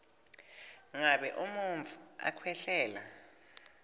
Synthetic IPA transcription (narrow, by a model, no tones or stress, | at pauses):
ŋaɓɛʔumuɱvʱua̰kʰwɛɬɛːla